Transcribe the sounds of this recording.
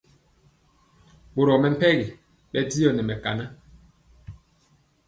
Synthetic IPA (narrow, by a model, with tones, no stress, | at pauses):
bo˨ɾɔ˨mɛ˨m̩˦pɛ˦ɣi˨ | ɓɛ˦di˦jɔ˨nɛ˨mɛ˨ka̰˨na˦